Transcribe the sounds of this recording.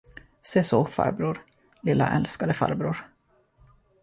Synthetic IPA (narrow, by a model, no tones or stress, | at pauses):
seːsofa̰ɾbɾuːɾ | lɪlːa̰ʔɛlskad̪əfa̰ɾbɾuːɾ